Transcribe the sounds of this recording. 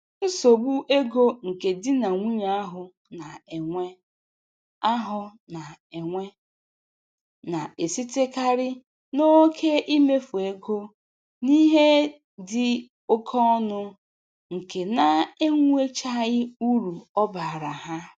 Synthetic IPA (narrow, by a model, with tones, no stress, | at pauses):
n̩˦so˨bu˦ʔe˦ɡo˦ŋ̩˨ke˨dɪ˦na˨ŋʷu˦ɲa˦a˦ɦʊ˨ | na˨e˨ŋʷe˦ | a˦ɦʊ˦na˨e˨ŋʷe˦ | na˨e˨si˦te˦ka˦ɾɪ˦ | no˦kʰe˦ʔi˦me˦fu˨e˦ɡo˦ | ni˦ɦe˦ | dɪ˦ | o˦kʰɔ˦ɔ˦nʊ˦ | ŋ̩˨ke˨na˨e˦ŋʷu˦e˦t͡ʃa˦ɣɪ˦u˦ɾu˨ɔ˦ba˨ɾa˨ɦa˦